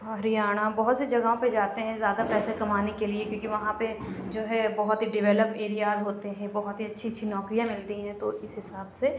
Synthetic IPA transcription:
ɐɾijaːɽ̃abɔɦʊt̪sed͡ʒɐɡaːõped͡ʒaːt̪eɦɛ̃zjaːd̪apɛːsekɐmaːnekeliekjõːkiʋɐɦãped͡ʒoːɦɛbɐɦʊt̪ɦiɖɪʋɛːləpeːɾijaːzɦoːt̪eɦɛ̃bɔɦʊt̪ɦiɐtːʃʰiɐtːʃʰinɔːkɾijãmɪlt̪iɦɛ̃t̪oɪsɦɪsaːbse

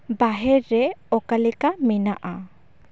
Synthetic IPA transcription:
baɦɛɾːɛɔkalɛkamɛnaʔa

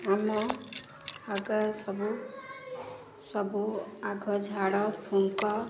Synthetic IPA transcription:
amɔ | aɡasɔbu | sʌbuaɡʱɔd͡zʱaɽɔpʰuŋkɔ

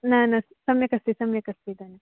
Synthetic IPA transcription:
nanassɐmjɐkɐst̪isɐmjɐkɐst̪id̪ana

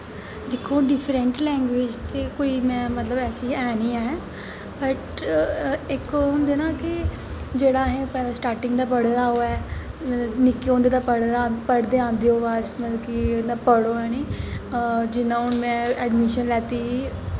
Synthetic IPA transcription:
d̪eːkʰːoːɖɪpʰɾəɳʈlɛ̃ːŋɡʋeːd͡ʒt̪eːkoːiːmɛ̃ːmət̪ləbɛːsiːɛːniːaːɛː | bəʈ | ɪkːɦʊ̃ːnd̪eːnaːkɪ | d͡ʒeːɽaːɦẽːpɛːlaːsʈaːɾʈɪ̃ŋɡd̪aːp̬əɽd̪aːɦoːɛː | nɪkːeːɦõːnd̪eːd̪aːpəɽpəɽd̪eːãːnd̪eːoːʋaːsmət̪əbkɪnãːpəɽoːɛːniː | d͡ʒɪnãːʊnmɛ̃ːɛɖmɪʃənlɛːt̪iː

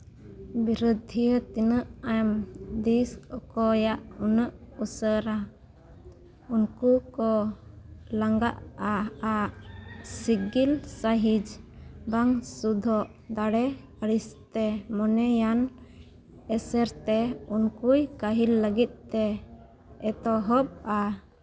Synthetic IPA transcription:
biɾud̪ʱijət̪inəʔajmd̪isɔkɔjaʔunəʔusəɾa | unkukɔ | laŋɡaʔaaʔsiɡilsaɦid͡ʒbaŋsud̪ʱɔʔ | d̪aɽɛ | əɾist̪ɛmɔnɛjan | ɛsɛɾt̪ɛunkujkaɦilːəɡit̪̚t̪ɛ | ɛt̪ɔɦɔb̚a

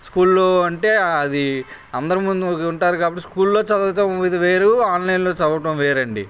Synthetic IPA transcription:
skuːllo̞ːɐɳʈe̞ːɐd̪iɐnd̪ɐɾɐmund̪ukuɳʈaːɾukaːbɐʈːiskuːlːo̞ːt͡ʃɐd̪ɐɐʈɐmʋid̪ɐʋeːɾuaːnlɐjnlo̞ːt͡ʃɐd̪ɐʋɐʈ̬ɐ̃mʋeːɾɐɳɖḭ

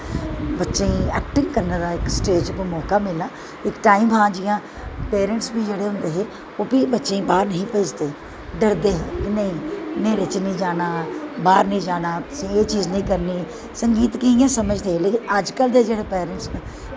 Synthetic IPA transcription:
bətːʃeːɛ̰ːkʈɪŋɡkəɾnaːd̪aːɪksʈeːd͡ʒkəmɔːkaːmɪlaː | ɪkʈaːimɦãːd͡ʒɪjãː | peːɾəɳʈsbiːd͡ʒeːɽeːɦʊ̃nd̪eːɦẽː | oːpiːbətːʃẽːbaːɾnəɦĩːpəːd͡ʒd̪eː | ɖəɾd̪eːɦẽːknəĩːnẽːɾet͡ʃnəĩːd͡ʒaːnaːbaːɾnəĩːd͡ʒaːnaːt̪ʊ̥sĩːeːt͡ʃiːznəĩːkəɾniː | səŋɡiːt̪kɪɪjãːsəməd͡ʒd̪eːɦeːleəd͡ʒkəld̪eːd͡ʒeːɽeːpɛːɾəɳʈs

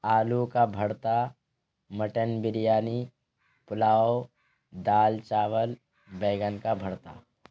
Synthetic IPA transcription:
aːlukabʱəɽt̪a | məʈənbɪɾjaːni | pʊlaːo | d̪aːlt͡ʃaːʋəl | beːɡənkabʱəɽt̪a̰ː

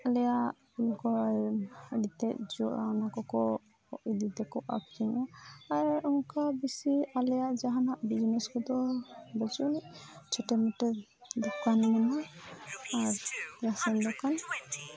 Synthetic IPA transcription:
alɛjaʔ | ulkɔ | ɖit̪ɛʔ̚d͡ʒɔʔa̰nakɔkɔ | ɔʔid̪it̪ɛkɔʔa̰kʰɛŋɔaɾɔŋkabisialɛjaʔd͡ʒaɦanaʔbid͡ʒnɛskɔd̪ɔbəd͡ʒuniʔt͡ʃʰɔʈɛmɛtɛ | d̪ɔkanmana | aɾɾasɛnd̪ɔkan

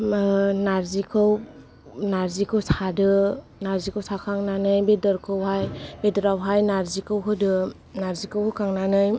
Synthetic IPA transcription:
naɾzikʰɯw | naɾzikʰɯwsʰadɯ | naɾzikʰɯwsʰakʰaŋnanɯjbedɯɾkʰɯwɦajbedɯɾawɦajnaɾzikʰɯwɦɯdɯ | naɾzikʰɯwhɯkʰaŋnanɯj

